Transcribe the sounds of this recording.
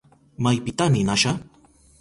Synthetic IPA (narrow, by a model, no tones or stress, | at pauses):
majpɪt̪anɪnaʃa